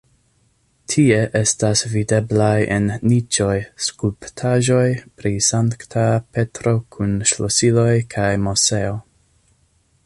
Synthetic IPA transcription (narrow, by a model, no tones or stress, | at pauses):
tʰie̞ʔe̞stasvide̞blajʔenːit͡ʃo̞jskulptʰaʒo̞jpɾisaŋkktʰape̞tɾo̞kʰunʃlosilo̞jkʰajmo̞seo